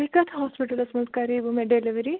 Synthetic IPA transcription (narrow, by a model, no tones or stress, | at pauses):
ikat̪ʰɦɔspiʈəlɐsmɐ̃skaɾibumeɖeliʋɾi